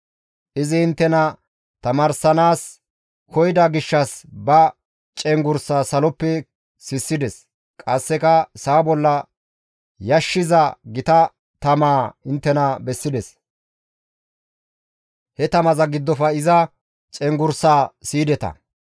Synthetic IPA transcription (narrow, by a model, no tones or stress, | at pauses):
ʔɪzɪhɪnt̪ːɛnɐ | t̪ɐmɐːɾsɐnaːs | kʰɔjd̪ɐɡɪʃːɐsbɐ | t͡ʃʼɛŋɡʊɾsaːsɐlɔpːɛ | sɪsːɪd̪ɛs | kʼɐsːɛkɐsaːbɔlːɐ | jɐʃːɪzɐɡɪt̪ɐ | t̪ɐmaːhɪnt̪ːɛnɐbɛsːɪd̪ɛs | hɛt̪ɐmɐzɐɡɪd̪ːɔfɐɪzɐ | t͡ʃʼɛŋɡʊɾsaːsiːd̪ɛt̪ɐ̰